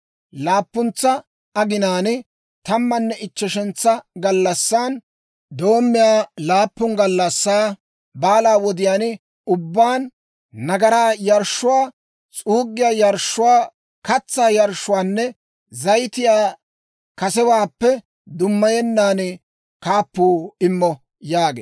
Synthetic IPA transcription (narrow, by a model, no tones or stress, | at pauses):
laːpːʊnt͡sːɐ | ɐɡɪnaːnɪ | t̪ɐmːɐnːɛʔɪt͡ʃːɛʃɛnt͡sːɐɡɐlːɐsːaːn | d̪o̞ːmːɪjaːlaːpːʊŋɡɐlːɐsːaː | baːlaːwɔd̪ɪjaːn | ʊbːaːnː | ɐɡɐɾaːjɐɾʃʊwaː | t͡sʼuːɡːɪjaːjɐɾʃːʊwaː | kɐt͡sːaːjɐɾʃːʊwaːnːɛ | zɐjt̪ɪjaː | kɐsɛwaːpːɛ | d̪ʊmːɐjɛnːaːn | kaːpːuːɪmːɔ | jaːɡḛː